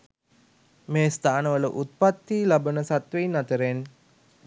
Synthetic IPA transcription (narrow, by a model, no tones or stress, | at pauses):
meːst̪aːnəʋələʔut̪̚pat̪ːiːlabənəsat̪ʋeinat̪əɾen